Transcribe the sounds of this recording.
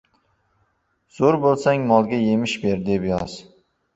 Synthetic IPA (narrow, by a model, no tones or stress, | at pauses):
z̥oɾbolˠsaŋmɒlˠɡʲaje̞mɪʃbeɾd̪epjɒz̥